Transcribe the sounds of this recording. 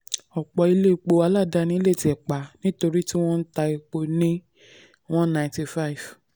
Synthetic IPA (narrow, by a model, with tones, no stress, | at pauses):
ɔ˨k͡pɔ˨i˧le˦˧k͡po˧a˨˦la˦˨da˧˦nĩ˦le˦˨ti˨ɛ˨k͡pa˨˦nĩ˦to˧ɾi˦ti˦w̃ɔ̃˦n̩˦ta˧i˧k͡po˧nĩ˦ | w̃ɔ̃˦nã˨ti˧fa˦˨i˨v